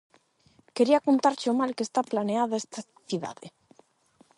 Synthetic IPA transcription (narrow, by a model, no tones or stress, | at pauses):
keɾiakont̪aɾt͡ʃomalkest̪aplaneaðaest̪a | θiða̰ðḛ